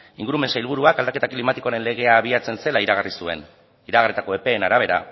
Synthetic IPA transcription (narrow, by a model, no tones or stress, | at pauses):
iŋɡuɾume̞nsailβ̞uɾuakald̪ake̞t̪aklimat̪iko̞aɾe̞nle̞ɣe̞aːβ̞iat͡se̞nse̞laiɾaɣ̞arisue̞̰n | iɾaɣarit̪ako̞e̞pe̞ːnaɾaβ̞e̞ɾa̰